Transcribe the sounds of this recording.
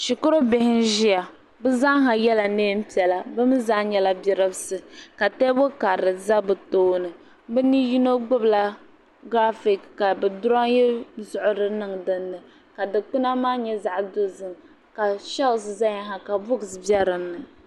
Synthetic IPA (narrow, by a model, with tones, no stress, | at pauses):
ʃi˨kʊ˦ɾo˦be˨hɪ˦nʒi˦a˨ | bɨ˦za˦ɦa˨jɛ˦la˨neː˦m̩˦pi˨ɛ˨la˨bɨ˦m˦za˦ɲɛ˦la˦bɛ˨ɾɨ˦bsɨ˨ka˨tɛ˦bo˦ka˨ɾɨ˨za˦bɨ˨toː˦nɨ˨ | bɨ˦ni˦ji˦no˦ɡ͡bʊ˦bla˦ | ɡɾa˦fi˨kka˨bɛ˨dʊ˦ɾa˦ŋjɛ˦zʊ˨ʔʊ˦ɾɨ˦nɨ˦ŋdɨ˨nːɨ˨ | ka˨dɨ˨k͡pu˦na˦maː˦ɲɛ˦za˦˨ʔdʊ˦zɨ˨ŋ | ka˨ʃa˦lsɨ˨za˦ɲa˦ɦa˨ka˨bʊ˦ɡsbɛ˦ɾɨ˨mnɨ˨